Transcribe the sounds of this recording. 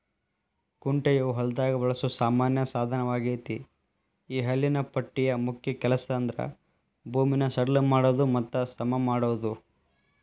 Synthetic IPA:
kuɳʈɐjɐuɦɐld̪aːɡɐʋɐɭɐsusaːmaːnjɐsaːd̪ʱɐnɐʋaːɡiːt̪i | iːɦɐlːinɐpɐʈːijɐmukʰjɐkɛlɐsɐɐnd̪ɾɐ̰ | bʱuːminɐsɐɽɐlumaːɽoːd̪umɐt̪ːɐsɐmɐmaːɽoːd̪u

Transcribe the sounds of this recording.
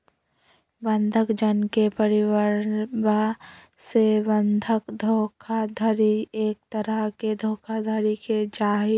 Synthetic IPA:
bə̃nd̪ʱəkd͡ʒənkepəɾɪwəɾba | sebə̃nd̪ʱəkd̪ʱoːkʰad̪ʱəɾieːk̚t̪əɾəɦked̪ʱoːkʰad̪ʱəɾiked͡ʒaːɦi

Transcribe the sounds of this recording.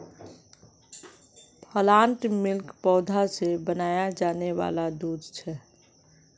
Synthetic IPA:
pʰəlãːɳʈmɪlkpɔːd̪ʱasebənaːjad͡ʒaːneʋa̰ːlad̪uːd̪t͡ʃʰɛ

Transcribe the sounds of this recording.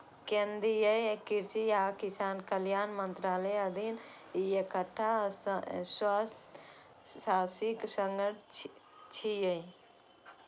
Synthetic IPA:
kend̪ijəjkiɾsiakisaːnkəljaːnmənt̪ɾaːləəd̪ʱin | ekəʈʰːasswast̪ː | asiksəŋɡəʈ̚ʰ | t͡ʃʰijəj

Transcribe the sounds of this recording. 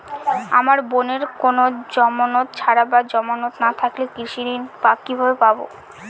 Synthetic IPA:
a̰maɾboneɾkonod͡ʑɔmanot̪̚t͡ɕʰaɾabad͡ʑɔmanot̪nat̪ʰaklekɾiʃiɾinpakːibʱabepabo̰

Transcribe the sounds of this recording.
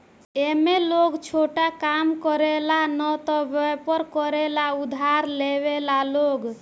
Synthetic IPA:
emeloɡt͡ʃʰoʈakamkɔɾelanɔt̪ɔbepɔɾkɔɾelaud̪ʱaɾlebelaloɡ

